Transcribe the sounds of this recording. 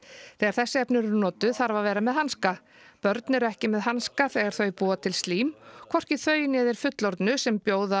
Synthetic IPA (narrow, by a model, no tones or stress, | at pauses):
θɛːɣaɾθɛsːɪɛpnɪɾɛɾnɔːt̪ʏθaɾvavɛːɾamɛðhanska | pœɾt̪nɪɾɛhcɪmɛðɦanskaθɛːɣaɾ̥θœɥpuːat̪ʰɪlst̪liːmkʰvɔr̥cɪθœːɥjnɛːðɪɾ̥fʏt̪lɔɾt̪nʏsɛmpjoːwða